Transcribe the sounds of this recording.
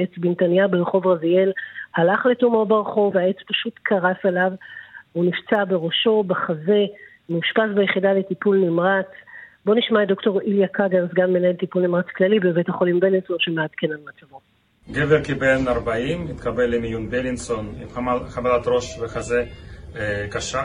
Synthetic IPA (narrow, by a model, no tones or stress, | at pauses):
et͡sbintanjabelχo̞vʁazie̞lhalaχletumobaʁχo̞veae̞t͡spaʃutkʰaʁafelavunift͡sabe̞ʁo̞ʃo̞baχaze̞ | meuʃpasbajeχidaletipulnimʁat͡sbo̞niʃmaed̪o̞kto̞ʁiljakaɡanzɡamːenaelt̪ipulnimʁat͡sklalibevet̪haχo̞limbelinso̞nʃemead̪kenammat͡savot | ɡeveɾkibelnaʁbaimit̪kabelimjunbelinsonimamaχamalat̪ʁo̞ʃveχaze | kaʃa